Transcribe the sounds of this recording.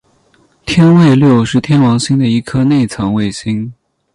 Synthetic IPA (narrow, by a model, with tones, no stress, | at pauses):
t̪ʰjɛ˥nwe˥˧ɪljo˥˩ʊʂɻ̩˥˩t̪ʰjɛ˥nwɑ˧˥ŋɕi˥ŋd̪ə˨i˧˥kʰɤ˥ne˥˩ɪt͡sʰɑ˧˥ŋwe˥˩ɪɕi˥ŋ